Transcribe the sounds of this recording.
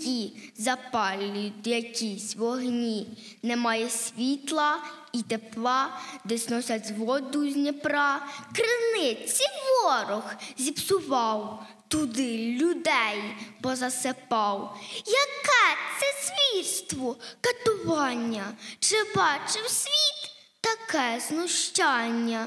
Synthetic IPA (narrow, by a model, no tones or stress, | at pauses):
izɐpɑlʲːid̪jɐkʲisʲʋɔɦnʲi | nɛmɑjɛsʲʋʲit̪lˠɐ | it̪eplˠɑd̪ɛsʲnɔsʲɐt͡sʲzʋɔd̪uzʲnʲipɾɑkɾɪnɪt͡sʲiʋɔɾʊxzʲipsʊʋɑw | t̪ʊd̪ɪlʲʊd̪ɛjb̥ɔzɐsepɑwjɐkɛt̪sɛsʲʋʲit̪st̪ʋɔkɐt̪ʊʋɑnʲːɐt͡ʃɪbɑt͡ʃɪwsʲʋʲit̪ː | ɐkɛznʊʃt͡ʃɑnʲːɐ